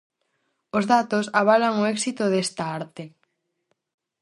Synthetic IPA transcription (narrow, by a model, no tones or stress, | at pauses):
ozðat̪osaβ̞alaŋoɛksit̪ʊðest̪aaɾt̪e